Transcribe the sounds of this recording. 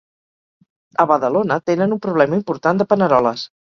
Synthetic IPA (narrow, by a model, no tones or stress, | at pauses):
əβəðəlonət̪enənumpɾuβlɛməimpuɾt̪and̪əpənəɾɔləs